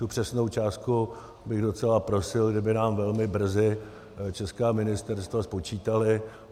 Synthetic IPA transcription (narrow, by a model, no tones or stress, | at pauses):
t̪upr̥ɛsnowt͡ʃaːst̪ku | bɪɣdo̞t͡sɛlapɾo̞sɪlɡdɪbɪnaːmvɛlmɪbr̩zɪ | t͡ʃɛskaːmɪnɪst̪ɛɾst̪vaspo̞t͡ʃiːt̪alɪ